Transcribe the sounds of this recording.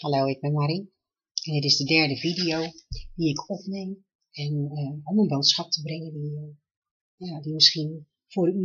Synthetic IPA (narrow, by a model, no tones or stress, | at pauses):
halɛwɪk̚bɛmaɾi | ɛndɪtɪzdədɛɹdəvidijowd̥iɪkʰɔpnem | ɛnəɔmənboːtsxap̚təbrɪŋədi | jadimɪsχiən | foɾəy